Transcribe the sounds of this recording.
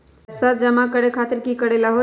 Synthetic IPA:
səd͡ʒəmakəɽekʰat̪iɾkikəɽelaɦo

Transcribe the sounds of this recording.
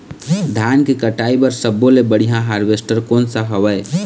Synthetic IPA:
d̪ʱankekəʈaibəɾsəbːolebəɽ̤iɦãɦaɾʋesʈəɾkonsəɦəbəj

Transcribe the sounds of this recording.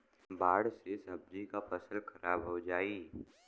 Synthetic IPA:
baːɽsesɐb̚d͡ʒikapɐsəlxʰɐɾaːbɦod͡ʒaːiː

